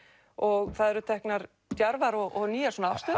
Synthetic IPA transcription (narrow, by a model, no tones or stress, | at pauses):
ɔɣθaðɛɾʏt̪ʰɛhknaɾ | t̪jaɾvaɾɔɔniːasoːnaawst̪œː